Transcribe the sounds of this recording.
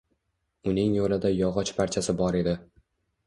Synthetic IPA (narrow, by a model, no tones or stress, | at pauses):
ʊnɪŋjolɪd̪ajɒʁɒt͡ʃpʰaɾt͡ʃʰasɪbɒɾe̞d̪ɪ